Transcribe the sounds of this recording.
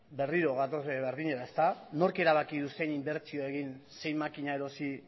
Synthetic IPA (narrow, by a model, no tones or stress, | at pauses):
be̞riɾo̞ɣat̪ozβeɾðiɲe̞ɾae̞st̪ano̞ɾke̞ɾaβ̞akiðuse̞jnimbe̞ɾt͡sio̞e̞ɣ̞inse̞jmakiɲae̞ɾo̞si